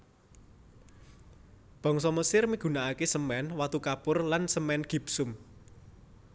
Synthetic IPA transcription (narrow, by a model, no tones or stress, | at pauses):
b̥ɔ̤ŋsɔməsɪrmiɡ̥ṳnaakesəmɛnwat̪ukapʊrlansəmɛnɡ̥i̤psʊm